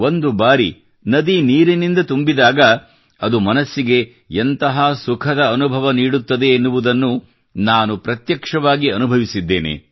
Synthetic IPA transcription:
ond̪ubaːɾi | nɐd̪iniːɾinind̪ɐt̪umbid̪aːɡɐ | ɐd̪umɐnɐsːiɡe̞ | ent̪ɐɦasukʰɐd̪ɐɐnubʱɐʋɐniːɽut̪ːɐd̪e̞ːnːuʋud̪ɐnːu | naːnupɾɐt̪jɐkʂɐʋaːɡiɐnubʱɐʋisid̪ːe̞ːnḛ

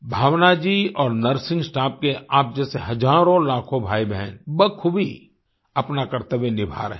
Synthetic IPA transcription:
bʱaːwnad͡ʒiɔːɾnəɾsɪ̃ŋɡsʈaːp̚keaːp̚d͡ʒɛːseɦɐd͡ʒaːɾõlaːkʰõbʱaːibʱɛːnbəkʰʊbʱi | ɐpnakəɾt̪əbenɪbʱa̰ːɾɦɛ̃

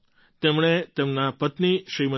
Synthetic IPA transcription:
t̪emɽ̃et̪emnapət̪niʃɾimə

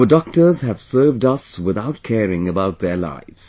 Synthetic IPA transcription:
ədɔk̚tə˞z̥hæv̥sɜːvdʌswɪðaʊt̚kʰɛːɹɪ̃ŋəbaʊt̪̚ðəla̰ɪvz̥

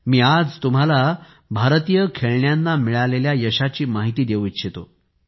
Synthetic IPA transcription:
miːad͡zt̪um̤ala | bʱaɾt̪ijəkʰeɭɳjanːamiɭaleljajəɕat͡ɕiːmaɦit̪iːd̪eʋitɕʰet̪o̰

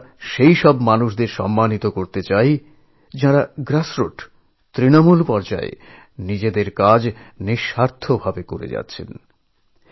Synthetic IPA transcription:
ʃejʃɔbmanuʃd̪eɾʃɔ̰mːanit̪okoɾt̪et͡ɕaj | d͡ʑaɾaɡɾasɾoʈ | t̪ɾinomulpɔɾd͡ʑa̰ḛ | nid͡ʑed̪eɾkad͡ʑniʃhaɾt̪ʰobʱabekoɾḛd͡ʑa̰tːɕʰḛn

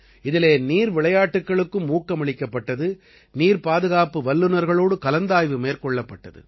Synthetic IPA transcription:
ɪðɪleːniːɾʋɪɭɐjaːʈːɯkːɐɭɯkːɯmːuːkːɐmɐɭɪkːɐpːɐʈːɐðɯ | niːɾpaːðɯɣaːpɯʋɐlːɯnɐɾɣɐɭoːɽɯkɐlɐnd̪aːjʋɯmeːɾkɔɭːɐpːɐʈːɐðɯ̰

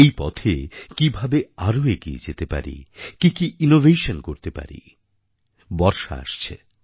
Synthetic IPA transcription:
ejpɔt̪ʰekibʱabeaɾoeɡiḛd͡ʑet̪epa̰ɾḭkikiʔinovʱejʃonkoɾt̪epa̰ɾḭ | bɔɾʃa̰a̰ʃt͡ɕʰe

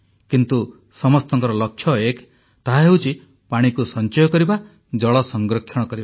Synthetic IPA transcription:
kint̪u | sɔmɔst̪ɔŋkɔɾɔlɔkʰːjɔek | t̪aɦaɦeɦwt͡ʃʰi | paɽ̃ikusɔnt͡ʃɔjɔkɔɾiba | d͡ʒɔɭɔsɔŋɡɾɔkʰːjɔɽ̃ɔkɔɾiba

